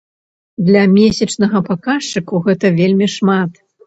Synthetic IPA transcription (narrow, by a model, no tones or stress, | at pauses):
d̪lʲɐmʲesʲɐt͡ʂnɐɣɐpakaʂt͡ʂɨkuɣɛt̪ɐvʲelʲmʲiʂmat̪